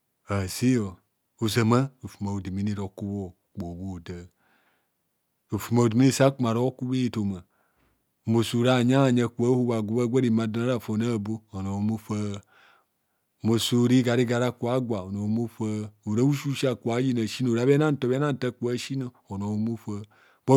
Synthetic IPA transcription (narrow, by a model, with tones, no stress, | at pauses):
a˨si˦jo˨ | u˨za˨ma˦u˨fu˨ma˨u˨di˨mi˦ni˦ɾo˨ku˦bo˦ | k͡po˨bo˨da˨ | u˨fu˨ma˨di˨mi˦i˦˨sa˦ku˦ma˨ɾo˦ku˦be˦˨to˨ma˨ | mo˨su˨ɾa˦˨ɲa˦a˨ɲa˨ku˨a˦hu˦ba˨ɡʷu˨ba˦ɡʷa˦ɾi˨ma˨da˦na˦ɾa˦˨fo˨na˦˨bo˦o˨no˨o˦mu˦fa˦˨ | mo˨su˨ɾi˦ɡa˨ɾi˦ɡa˨ɾa˦ku˨a˦ɡʷa˨o˨no˨˦mu˦fa˦u˨ɾa˦u˦ʃu˦ʃa˦˨kʷa˨˦ji˦na˨ʃi˦no˨ɾa˨˦βe˦na˦n˦to˨βe˦na˦n˨ta˦ku˨a˦ʃi˦no˨ | o˨no˨˦mu˦fa˦ | o˦